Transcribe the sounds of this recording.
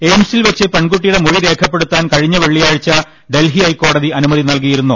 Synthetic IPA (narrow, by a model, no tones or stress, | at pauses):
e̞ːmsilʋet͡ɕːɨpeɳɡuʈːijuɽe̞muɻiɾe̞ːkʰɐpːe̞ɽut̪ːaːnkɐɻiɲːɐʋeɭːijaːɻit͡ɕːɐ | ɖe̞lɦiɐjkːo̞ːɽɐðiʔɐnumɐðinɐlk̬ijiɾunːu